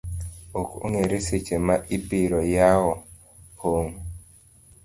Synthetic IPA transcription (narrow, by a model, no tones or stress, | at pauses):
oko̰ŋeɾeset͡ʃemaʔipiɾɔjaɔ | hoŋ